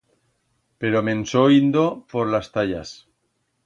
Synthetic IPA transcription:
pe̞ɾomẽ̞nsoind̪o̞poɾlast̪aʎas

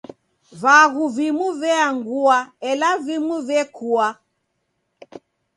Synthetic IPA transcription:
βaɣuvimuvɛaŋɡuaɛlavimuvɛkʰua

